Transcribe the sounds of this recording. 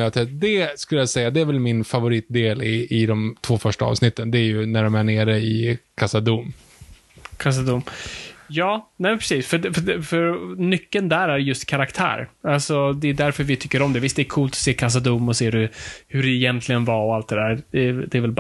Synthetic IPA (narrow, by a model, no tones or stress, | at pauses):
jat̪ʰɛd̪ɛskɵləjasɛjːad̪ɛæɾvɛlmɪnfavʊɾiːt̪̚d̪eːlɪɪd̪ɔmt̪ʰv̥oːfœʂʈaɑ̰ːvsnɪt̪ʰːənd̪ɛæɾjɵnæɖɔmæɳeːɾəɪkʰasad̪um | kʰas̬ad̪umjɑːnɛmɛnpʰɾɛsiːsfœɖɛfɖɛfœɾnʏkːənd̪æɾæɾjɵst̪kʰaɾakt̪ʰæ̰ːɾalsɔd̪ɛjʉd̪æɾfœɾvɪt̪ʰʏkːəɾɔmd̪ɛvɪst̪d̪ɛːkʰuːlt̪ɔ̥seːkʰas̬ad̪umːɔseːɾɵhɵɖɛːjɛnt̪ʰlɪɡənvaɾɔalt̪d̪ɛd̪æːɾd̪̥ɛd̪ɛːɾvɛlb